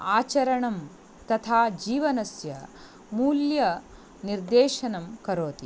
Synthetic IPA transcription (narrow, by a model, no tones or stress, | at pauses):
aːt͡ʃɐɾɐɳɐm | t̪ɐt̪ʰaːd͡ʒiːʋɐnɐsjɐ | muːljɐ | niɾd̪eːʃɐnɐmkɐɾoːt̪i